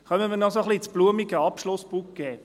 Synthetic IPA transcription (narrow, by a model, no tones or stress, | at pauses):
χœməməɾnɔsoχliːt͡sb̥luəmiɡəɑpʃlʊsbukɡ̥ɛː